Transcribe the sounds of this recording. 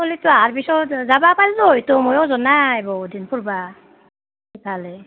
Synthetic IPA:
olitɔaɹbisɔzabapaltɔɦojtɔmojɔzɔnaebɔdinpʰuɹba | kipʰalɛ

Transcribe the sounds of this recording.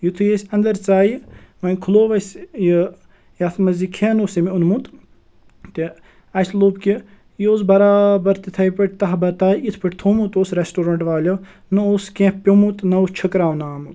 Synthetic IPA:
jit̪ʰujesʲɐnd̪ɐɾt͡saːjimɐnʲkʰuloːʋɐsʲjə | jɐt̪ʰmɐzikʰeːnoːsɐmiunmut̪ | t̪i | ɐsloːbki | joːsbɐɾaːbɐɾt̪it̪ʰɐjpɐʈʲt̪ɐɦbɐt̪aːjit̪ʰpɐʈʲt̪ʰoːmut̪oːsɾesʈoːɾɐɳʈʋaːlʲo | nɨoːskẽhpʲomut̪nɐost͡ʃʰəkɾaːʋnaːmut̪

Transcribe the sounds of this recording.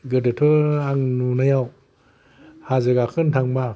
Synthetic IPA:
ɡədətʰəaŋnunajaw | hazəɡakʰəntʰaŋba

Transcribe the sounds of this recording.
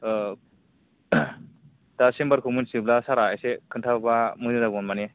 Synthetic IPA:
d̥asembaɾkʰɯmunsiblasaɾaasekʰɯntʰabamɯnɯdaɡɔnmane

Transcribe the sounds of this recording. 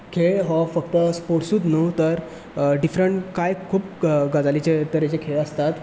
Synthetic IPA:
kʰeɭɦɔfək̚t̪əspoɽsuːt̪not̪əɾ | ɖifɾəɳʈkajkʰuːpɡad͡zalit͡ɕet̪əɾjet͡ɕekʰeɭəst̪at̪

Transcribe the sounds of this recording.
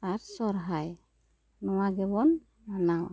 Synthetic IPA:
aɾsɔɾɦaj | nɔwaɡɛbɔn | anaw

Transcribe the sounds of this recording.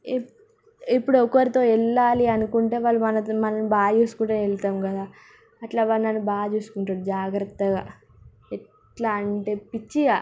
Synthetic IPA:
ipːuɽuɔkʋɐɾit̪o̞ːɛɭːaːliɐnukuɳʈe̞ːʋaːɭːumɐnɐmɐnɐnbaːd͡ʒuːsu̥kuɳʈɐɛlt̪aːmɡɐd̪aː | ɐʈlaːʋaːlnɐnːubaːd͡ʒuːsu̥kuɳʈaːɽud͡ʒaːɡɾɐt̪ːɐɡaː | ɛʈ | laːɐɳʈepit͡ʃːiɡa

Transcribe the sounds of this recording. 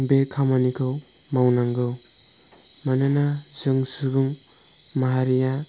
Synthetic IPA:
bekʰamanikʰɯw | mawnaŋɡɯw | manɯnazɯŋsɯɡɯŋ | maɦaɾija

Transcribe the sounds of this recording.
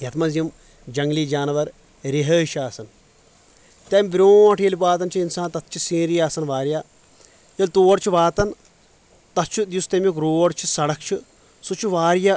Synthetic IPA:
jɐt̪ʰmɐzjɐm | d͡ʒɐŋɡliːd͡ʒaːnʋɐɾ | ɾiɦəːʃaːsɐn | t̪ɐmʲbɾʲoːʈʰjɐlipaːt̪ɐnt͡ʃʰiinsaːnt̪ɐt̪̚t͡ʃʰisĩːɾijaːsɐnʋaːɾjaː | jɐlʲt̪oːɖt͡ʃʰiʋaːt̪ɐn | t̪ɐt̪t͡ʃʰud̪just̪ɐmjikɾoːɖt͡ʃʰi̥sɐɽɐk̚t͡ʃʰi | sut͡ʃʰiʋaːɾja

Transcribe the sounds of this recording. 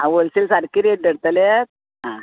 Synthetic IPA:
ãʋolsilsaɾkiɾeʈ̚ɖəɽt̪əlet̪̚ | ɦã

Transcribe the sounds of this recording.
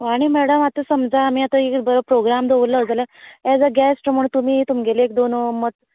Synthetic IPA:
aɽ̃imɛɽəmat̪əsəmd͡zaːmiːat̪aekbəɾəpɾoɡɾamd̪ʱeʋəlːad͡zalaɛd͡zaɡɛsʈməɳt̪um̤iːt̪umiɡʱeleek̚d̪onmət̪

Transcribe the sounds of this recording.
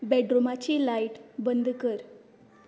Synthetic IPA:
bɛɖɾomat͡ɕiːlaiʈbənd̪ʱkəɾ

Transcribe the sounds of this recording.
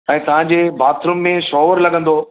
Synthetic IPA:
ɛ̃ːt̪ɐʋ̤ãɲ̆d͡ʑeːbʱaːt̪ʰɾʊmːẽʃɔːʋəɾlɐɠə̃nd̪oː

